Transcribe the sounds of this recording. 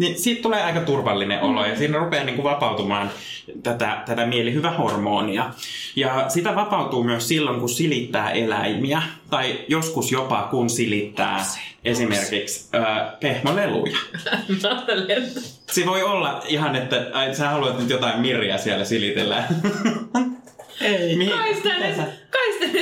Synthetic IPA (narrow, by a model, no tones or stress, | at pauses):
nisiːt̪t̪uleːɑikɑt̪urʋɑlːinḛʔo̰lo̰jɑsiːnːrupeːniːŋkuʋɑpɑut̪umɑːn | t̪æt̪æ̰t̪æt̪æmielihyʋæhormoːniɑjɑsit̪æʋɑpɑut̪uːmyøssilːoŋkusilit̪ːæːʔelæ̰imiæt̪ɑijoskusjopɑ̰kunsilit̪ːæ̰ːʔesimerkiksøːpehmolelṵjɑmɑt̪elet | seʋoiolːɑihɑnet̪ːæsæːhɑluɑt̪nyt̪jot̪ɑimmirˑiæ̰siælːæsilit̪elːæ | eimihkist̪æesækɑist̪e